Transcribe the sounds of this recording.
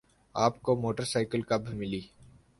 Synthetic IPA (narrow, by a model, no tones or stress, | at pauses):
aːpkomoːʈəɾsaːɪkəlkɐbʱimɪliː